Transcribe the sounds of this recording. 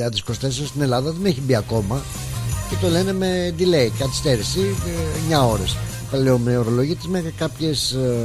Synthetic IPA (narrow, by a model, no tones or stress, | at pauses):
ɐt̪isko̞st̪esost̪ine̞lɐðɐðe̞neçibiɐko̞mɐ | ce̞t̪o̞le̞ne̞med̪ileikɐt̪i̥st̪eɾisiɲɐo̞ɾes | p̪eleomeoɾo̞lo̞ʝit̪izmekɐpçe̞s